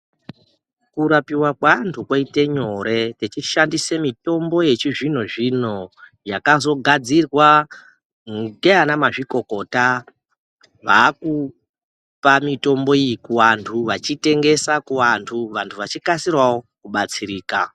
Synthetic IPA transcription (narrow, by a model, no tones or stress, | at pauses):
kuɾapiwakwantʰukwaite̞ɲo̞ɾe̞tet͡ʃiʃandisemito̞mbo̞je̞t͡ʃiʐin̤oʐino̞ | jakazo̞ɡʱad͡zirwa | ŋɡe̞anamaʐiko̞ko̞ːta | ʋaku | pamito̞mbo̞ijikuʋantʰuʋat͡ʃite̞ŋɡe̞sakuʋantʰuʋantʰuʋat͡ʃikasirwawokuɓat͡siɾiːka